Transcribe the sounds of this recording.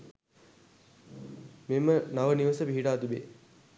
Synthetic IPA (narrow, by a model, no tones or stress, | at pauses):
memənaʋəniʋəsəpiɦiʈaːt̪ibe